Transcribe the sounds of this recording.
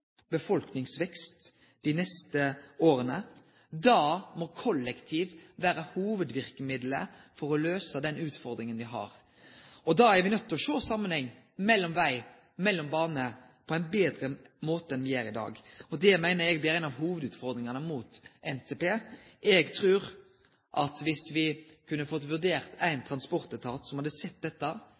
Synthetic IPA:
bəfɔlknɪŋsʋɛkst̪ | d̪ɪnɛst̪əoːɾənə | d̪ɑːmɔkʰɔlːəkt̪ʰiːʋʋæːɾəhuːʋəd̪ʋɪɾkəmɪd̪lə̰ | fɔɾɔløːsəd̪ɛnʉːt̪fɔɾd̪ɾɪŋənʋɪɦɑ̰ɾ | ɔd̪ɑæɾʋɪnœt̪ːɔʃoːsɑmːənhɛŋː | mɛlːɔmʋæɪ | mɛlːɔmbɑːnənə | pʰɔæɪnbeːd̪ɾəmoːt̪əɛnʋɪjæːɾɪd̪ɑ̰ːɡɔd̪ɛmæɪnəɾɛɡblɪɾæɪnɑʋɦuːʋəd̪ʉːt̪fɔʁd̪ɾɪŋɑnəmuːt̪ɛnt̪ʰeːpeːʔɛɡt̪ʰɾʉːɾ | ʔɑt̪ʋɪsʋɪkʰʉnːəfɔt̪ːʋʉʁd̪eːɾt̪æɪnt̪ʰɾɑnspɔɾt̪ət̪ʰɑːt̪sɔmhɑd̪əsɛt̪̚ːd̪ɛt̪ːə

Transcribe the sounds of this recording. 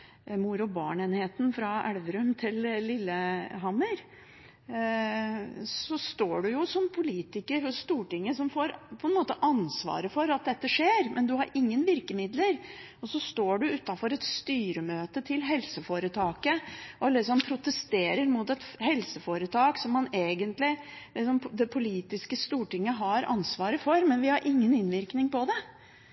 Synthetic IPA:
muɾʊbɑ̰ːɳeːnheːt̪n̩fɾɑʔæɽʋəɾʉmt̪ʰɪllɪlːəɦɑməɾ | sɔst̪oːɖʉjʊsɔmpʰʊliːt̪ɪkəɾhʊsst̪uːʈɪŋːəsɔmfoːɾpʰɔɛnmoːt̪əʔɑnsʋɑ̰ːɾəfɔɾɑt̪̚d̪ɛt̪ːəʂeːɾmʔɛnd̪ʉhɑɾɪŋːənʋɪɾkəmɪd̪ləɾ | ɔsɔst̪oːɖʉʉt̪ːɑfɔɾɛt̪st̪yːɾəmøːt̪ət̪ʰɪlɦɛlsəfoːɾət̪ʰɑːkəʔɔlɪsɔmpʰɾʊt̪əst̪eːɾəɾmʊt̪ɛt̪hɛlsəfoːɾət̪ʰɑːksɔmːɑneːɡənt̪lɪ | lɪsɔmd̪ɛpʰʊliːt̪ɪskəst̪uːʈɪŋːəɦɑɾʔɑ̰nsʋɑːɾəfɔɾmɛnʋɪhɑɾʔɪŋːənɪnʋɪɾknɪŋpʰɔd̪ɛ

